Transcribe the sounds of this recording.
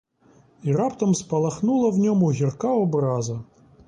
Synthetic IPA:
irapt̪əmspɐlˠɐxnulˠəvnʲomuɣʲɪrkaɔbrazɐ

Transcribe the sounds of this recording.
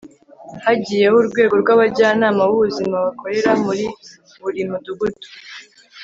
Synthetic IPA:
haɟiːje̞ɦuɾɡwe̞ːɡo̞ɾɡwaβaɟaːnaːmawuβuzimaβakʰo̞ɾe̞ɾamuɾi | βuɾimuduɡutu̥

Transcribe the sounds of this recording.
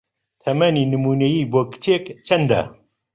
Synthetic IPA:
t̪ʰɐmaninəmuːnɐjibokt̪ʰeːkt͡ʃʰɐnd̪æ̰

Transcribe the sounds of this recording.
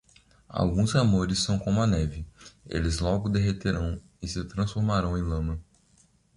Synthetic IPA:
a̰wɡũzamoɾɪsːɐ̃w̃kõmʊɐnɛvɪḛlɪzlɔɡʊd̪eɦet̪eɾɐ̃w̃ | ɪsɪt̪ɾɐ̃sfoɾmaɾɐ̃w̃ẽj̃lɐ̃mɐ

